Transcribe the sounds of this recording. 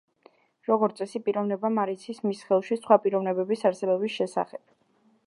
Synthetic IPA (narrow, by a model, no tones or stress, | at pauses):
ɾɔɡɔɾt̪sʼɛsipʼiɾɔvnɛbamaɾit̪sʰismisχɛlˠʃisχwapʼiɾɔvnɛbɛbisaɾsɛbɔbisʃɛsa̰χɛb̥̚